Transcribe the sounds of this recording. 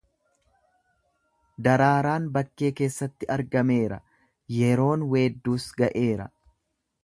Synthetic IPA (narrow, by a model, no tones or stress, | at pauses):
d̪ɐɾaːɾaːnbɐkːe̞ːke̞ːsːɐt̪ːɪɐɾɡɐme̞ːɾɐ̰ | jɛɾo̞ːnweːd̪ːuːsɡɐʔe̞ːɾɐ̰